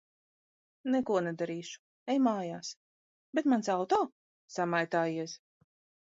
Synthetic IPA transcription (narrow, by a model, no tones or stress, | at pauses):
nɛkuɔnɛd̪aɾiːʃu̥ | ɛjmaːjaːs | bet̪mansawt̪ɔː | samajt̪aːjiɛs